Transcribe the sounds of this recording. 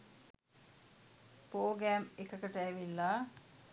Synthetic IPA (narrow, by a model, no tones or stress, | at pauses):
poːɡæːmekəkəʈəæʋilːa